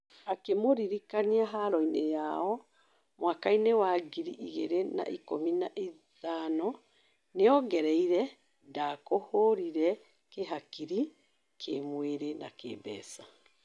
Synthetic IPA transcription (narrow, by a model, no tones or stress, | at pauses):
akemoɾiɾikaniaɦaɾɔinejaɔ | mwakainewaɡiɾiʔiɣeɾena̰ʔikominaʔiðanɔ | neɔɡɛɾɛiɾɛ | dakohoɾiɾɛ | keɦakiɾi | kʰemweɾena̰kḛːbɛ̰ːsa